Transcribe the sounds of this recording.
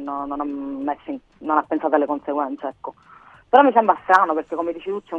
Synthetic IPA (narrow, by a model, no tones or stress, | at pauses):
nːonːonammːasin | nonapːensaːt̪oalːekonseɡwɛnt̪seɛkːo | peɾɔmːisɛmbɾast̪ɾaːnoperk̟ekːomed̪iːt͡ʃit̪ut̪ːɛ